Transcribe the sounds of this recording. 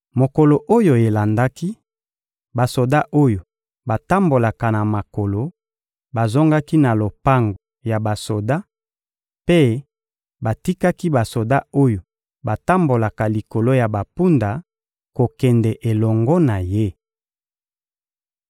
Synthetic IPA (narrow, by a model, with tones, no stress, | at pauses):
mo˨ko˨lo˨ʔo˦jo˨e˨la˨nda˦ki˦ | ba˨so˨da˦ʔo˦jo˨ | ba˨ta˦mbo˨la˨ka˨na˨ma˨ko˨lo˨˦ | ba˨zo˦ŋɡa˦ki˦na˨lo˨pa˦ŋɡo˨ja˨ba˨so˨da˦ | pe˦ | ba˨ti˦ka˦ki˦ba˨so˨da˦o˦jo˨ | ba˨ta˦mbo˨la˨ka˨li˨ko˨lo˦ja˨ba˨pu˦nda˨ | ko˨kɛ˨ndɛ˨ʔe˨lɔ˨ŋɡɔ˦na˨je˦